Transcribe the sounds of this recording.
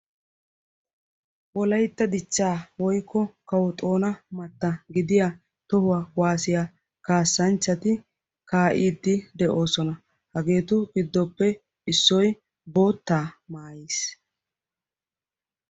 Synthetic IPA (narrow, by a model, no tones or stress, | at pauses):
wɔlɐjt̪ːɐd̪ɪt͡ʃːaːwɔjkːɔkɐwɔt̪ʼo̞ːnɐmɐt̪ːɐɡɪd̪ɪja | t̪ɔhʊwawaːsɪja | kaːsːɐnt͡ʃːɐt̪ɪ | kaːʔiːd̪ːɪd̪ɛʔo̞ːsɔnɐ | hɐɡe̞ːt̪ʊɡɪd̪ːɔpːɛ | ɪsːɔj | bo̞ːt̪ːaːmaːjeːs